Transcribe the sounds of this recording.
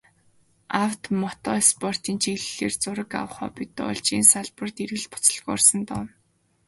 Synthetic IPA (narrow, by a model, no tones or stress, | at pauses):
awt̪mɔt̪ɔːspʰɔr̥t̪iːnt͡ɕʰiɣɮːeːrt͡sʊɾə̆ka̰wə̆χɔ̰ːpit̪ʊ̰ːɮt͡ɕiːnsaɮpə̆rt̪iɾɣɘ̆ɮpʊ̥t͡sə̥̆ɮɣɔrsə̆nt̪ɔn